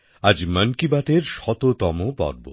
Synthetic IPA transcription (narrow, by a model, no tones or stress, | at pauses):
ad͡ʑmənkibat̪eɾʃɔt̪ot̪ɔmopɔ̰ɾbo̰